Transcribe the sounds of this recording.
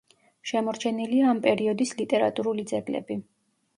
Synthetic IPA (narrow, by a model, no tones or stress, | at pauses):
ʃɛmɔɾt͡ʃʰɛniliaːmpʼɛɾiɔd̪islit̪ʼɛɾa̰t̪ʼuɾulid̪zɛɡlɛ̰bi